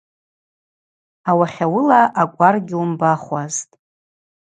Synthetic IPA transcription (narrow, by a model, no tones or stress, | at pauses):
awaχʲawʊlaʔːkʷʼarɡʲɪumbaχʷaztʼ